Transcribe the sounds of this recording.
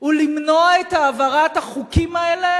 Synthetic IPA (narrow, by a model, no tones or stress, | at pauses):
ulimnoaetaːvaʁathaχukimaele